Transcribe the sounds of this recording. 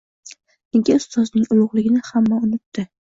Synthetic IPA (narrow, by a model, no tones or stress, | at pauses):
ɪŋkʲʰɪʊst̪ɒznɪŋʊlˠʊʁlɪɡʲɪnɪhamːaʊnɪt̪ːɪ